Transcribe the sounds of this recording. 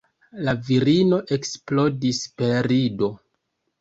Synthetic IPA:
laviɾino̞ʔe̞ksplo̞dispe̞ɾido̞

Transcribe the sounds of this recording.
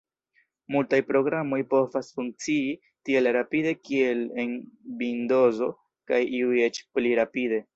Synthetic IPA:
multajpɾo̞ɡɾamo̞jpo̞vasfuŋk̚t͡sii | tie̞lɾapide̞kie̞le̞nbindo̞zo̞ | kajiuje̞t͡ʃpliɾapide̞

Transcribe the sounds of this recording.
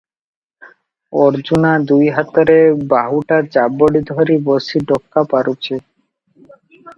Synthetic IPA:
ɔɾd͡ʑunad̪ujɦat̪aɾebaɦuʈat͡ɕaboɽid̪ʱɔɾibɔsiɖɔkːapaɾut͡ɕʰe

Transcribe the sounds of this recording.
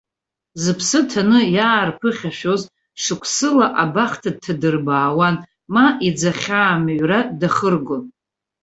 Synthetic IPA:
zɨpʰsɨtʰanɨjaːrpʰɨχʲaʃᶣoz | ʂɨkʷʰsɨlaʔabaχtʰad̚tʰːadɨrbaːwan | maʔid͡zaχʲaːmaɥradaχərɡʷon

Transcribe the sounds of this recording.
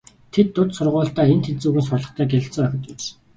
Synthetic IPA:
t̪ʰet̪ːʊt̪sʊrʁʊːɬt̪æːent̪ʰet͡suːɣɘ̆nsʊrɮɞ̆χt̪æːɡeɮɪ̆ɬt͡sɞ̆ŋœxʲɞ̆t̪ɪs

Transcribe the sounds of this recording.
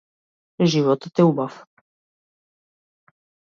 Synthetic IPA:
ʒivɔt̪ət̪ɛubaf

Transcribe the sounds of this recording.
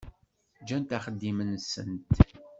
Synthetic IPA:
d͡ʒænt̪æχəd̪ːimənsə̰nt̪

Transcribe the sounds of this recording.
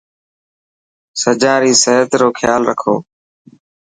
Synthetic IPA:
səd͡ʒãːɾiːsəɦət̪ɾoːkʰjaːlɾəkʰo̰ː

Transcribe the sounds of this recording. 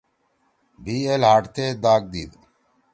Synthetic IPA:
biːelɦaːʈt̪eːd̪aːk̚d̪iːd̪

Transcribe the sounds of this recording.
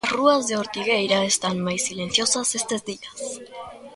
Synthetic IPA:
sruazðe̞o̞ɾt̪iɣe̞jɾae̞st̪anmajsːile̞n̟θjo̞sasest̪e̞zd̪ias

